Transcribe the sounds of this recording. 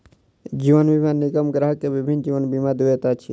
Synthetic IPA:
d͡ʒiʋənbimanikəmɡɾaɦəkːebibʱind͡ʒiʋənbimad̪uet̪at͡ʃʰi

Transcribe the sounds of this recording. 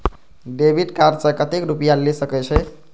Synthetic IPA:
ɖebʱiɖkaɾsəkət̪ekɾupijalesəkɛt͡ʃʰɛ

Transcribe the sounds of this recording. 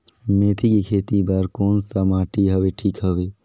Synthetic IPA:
meːt̪ʰikikʰeːt̪ibəɾkoːnsəmaːʈiɦɐʋeʈʰiːkɦəʋeː

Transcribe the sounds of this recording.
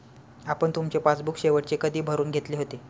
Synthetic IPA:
apəɳt̪umt͡ɕepat͡sbukɕeʋəʈt͡ɕekəd̪ʱiːbʱəɾuːnɡʱet̪leːɦot̪e

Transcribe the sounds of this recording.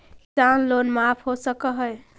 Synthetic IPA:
ʈanlonmapʰɦosəkəɦəj

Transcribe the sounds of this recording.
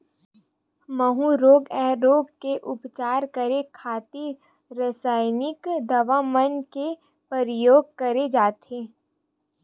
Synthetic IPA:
məɦũɾoːɡɛɦɾoːɡ̚keʔʊpt͡ʃaːɾkəɾekʰaːt̪i | ɾəsaːɪnɪkd̪ɐʋamənke | pəɾjoːɡ̚kəɾed͡ʒaːt̪eː

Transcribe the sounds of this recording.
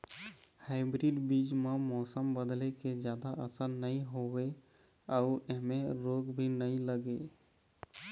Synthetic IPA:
haɪbɾiɖbid͡ʒmemɔːsəmbəd̪leked͡ʒjaːd̪aʔəsənnəĩɦowe | əʊeɦmeɾoːɡbʱinəĩləɡe

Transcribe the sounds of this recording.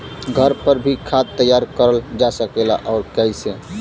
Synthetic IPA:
ɡʱəɾpəɾbʱikʰad̪̚t̪əjaɾkəɾəld͡ʒasəkela̰ʔɔʊɾkɛjsẽ

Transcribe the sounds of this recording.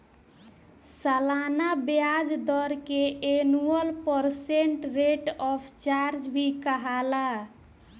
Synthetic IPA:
səlanabjad͡ʒd̪ɔɾkeʔenuəlpəɾseɳʈɾeʈɔpʰt͡ʃaɾd͡ʒbʱikəɦala

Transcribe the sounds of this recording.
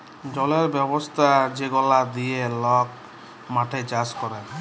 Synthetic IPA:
d͡ʒɔleɾbjɔbɔst̪ʰad͡ʒeɡɔlad̪ielɔk̚ | maʈʰed͡ʒaskɔɾa

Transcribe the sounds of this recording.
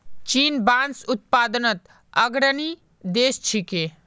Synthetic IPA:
t͡ʃiːnbaːnsʊt̪̚paːd̪ənət̪ | ɐɡɾəni | d̪eːst͡ʃʰikeː

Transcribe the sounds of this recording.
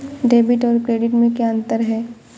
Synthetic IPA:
ɖeːbɪʈɔːɾkɾeːɖɪʈmẽkaə̃nt̪əɾɦɛː

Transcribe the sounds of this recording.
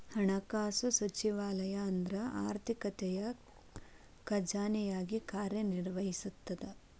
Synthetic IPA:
hɐɳɐkaːsusɐt͡ʃiʋaːlɐjɐːnd̪ɾɐa̰ːɾt̪ʰikɐt̪ɛjɐ | kɐd͡ʒaːnijaːɡikaːɾjɐniɾʋɐɦisut̪ːɐd̪e

